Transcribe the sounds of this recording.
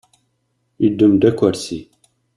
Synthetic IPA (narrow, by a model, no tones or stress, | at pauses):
id̪ːəmd̪ækʷːæɾsi